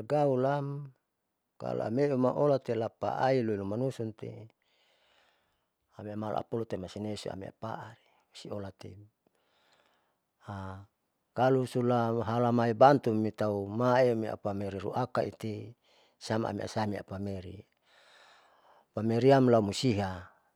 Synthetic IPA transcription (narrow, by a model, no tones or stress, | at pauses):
ɡaulam | ka̰lo̰a̰meumaʔolat̪elapa̰ʔailoilumanusunt̪ḛ | ameamal̰ʔa̰polut̪emasinesṵa̰mḛa̰pa̰ʔaɾi | usiolat̪ḛ | a | kalusulaɦalamaibant̪umit̪aumaemia̰pameɾiɾṵʔakait̪i | sama̰a̰mḛʔa̰samia̰pameɾḭ | pameɾiamlaumusiɦa